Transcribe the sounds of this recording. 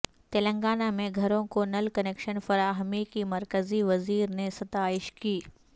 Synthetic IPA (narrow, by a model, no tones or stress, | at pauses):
t̪eːlə̃ŋɡaːnamẽɡʱɐɾõkonɐlkɐneːkʃənfɐɾaːɦmikimɐɾkəziʋɐziːɾnesɐt̪aːɪʃkiː